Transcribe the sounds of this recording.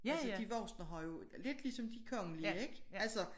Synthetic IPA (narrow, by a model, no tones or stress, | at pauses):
æsəd̥iʋɒʊsnɐɦɑjo̝ | le̝d̥lisɒ̽md̥ikʰɒ̽ŋəlieɡ̥ælsɒ